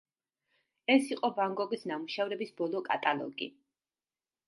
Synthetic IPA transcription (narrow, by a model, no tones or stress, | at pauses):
ɛsiqʼɔbaŋɡɔɡisnamuʃavɾɛbisbɔlˠɔkʼa̰t̪ʼalˠɔ̰ɡḭ